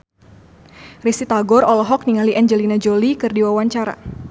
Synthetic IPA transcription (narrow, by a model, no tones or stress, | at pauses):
risit̪aɡɔɾɔlɔɦɔk̚niŋaliʔaɲd͡ʒɛlinad͡ʒolikɨrdiwawaɲt͡ʃaɾa̰